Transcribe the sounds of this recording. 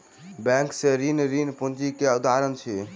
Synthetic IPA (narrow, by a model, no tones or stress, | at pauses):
bɛ̃ŋkseɾinɾinpund͡ʒikeud̪aɾənt͡ʃʰi